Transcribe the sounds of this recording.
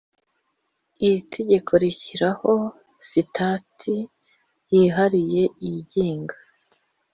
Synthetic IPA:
iɾitʰe̞ɟe̞kʰo̞ɾiçiɾaho̞ | sitʰaːtʰi | jiːɦaɾije̞iɟiːŋɡḁ

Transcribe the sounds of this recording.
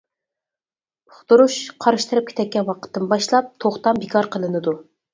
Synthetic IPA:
ʊχt̪uɾuʃqʰɑɾɨʃt̪ɨɾɨp̚kʰʲe̥t̪ʰɛk̚ʲːɛnwɑqʰə̥t̪ːɨmbɑʃlˠɑp̚t̪ʰoχt̪ɑmbɪkʰɑɾqʰəlˠɨnɨd̪u

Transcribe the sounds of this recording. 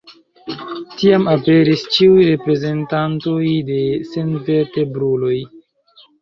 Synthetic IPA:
tiamape̞ɾist͡ʃiujɾe̞pɾe̞ze̞ntanto̞jde̞se̞nveɾtebɾulo̞j

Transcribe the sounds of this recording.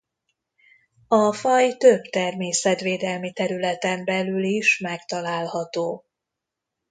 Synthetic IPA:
ɒfɒjt̪øbt̪ɛrmeːsɛt̪ʋeːd̪ɛlmit̪ɛɾylɛt̪ɛmbɛlyliʃmɛkt̪ɒlaːlhɒt̪oː

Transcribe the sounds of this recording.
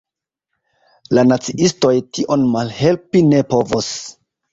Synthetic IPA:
lanat͡siʔisto̞jtiʔo̞nmalhe̞lpine̞po̞vos

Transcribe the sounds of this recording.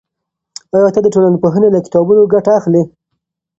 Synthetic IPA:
ajɑt̪ad̪əʈolanpoɦənelakɪ̥t̪ɑbunoɡaʈaːxle

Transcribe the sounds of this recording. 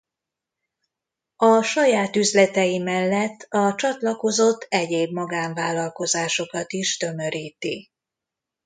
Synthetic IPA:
ɒʃɒjaːt̪yzlɛt̪ɛjimɛlːɛt̪ːɒt͡ʃɒt̪lɒko̞zo̞t̪ʰːɛɟeːbmɒɡaːɱvaːlːɒlko̞zaːʃo̞kɒt̪iʃt̪ø̞mø̞ɾiːt̪i

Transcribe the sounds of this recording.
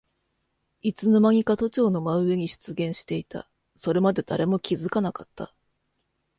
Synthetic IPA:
it͡sɨnomaŋ̟ʲikat̪o̞t͡ɕo̞ːno̞maɯ̟eɲ̟iɕɨ̥t͡sɨɡẽ̞ɰ̃ɕi̥t̪e̞it̪a̰ | so̞ɾe̞mad̪e̞d̪̥a̰ɾe̞mo̞kʲizɨkanakat̪ːa̰

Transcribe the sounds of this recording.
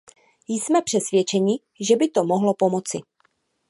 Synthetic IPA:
jsmɛpr̥ɛsvjɛt͡ʃɛɲɪ | ʒɛbɪt̪o̞moɦlopo̞mo̞t͡sɪ

